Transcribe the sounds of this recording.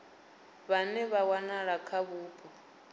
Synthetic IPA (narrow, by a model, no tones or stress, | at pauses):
βanɛβawanaɺakʰaβuːpʼɔ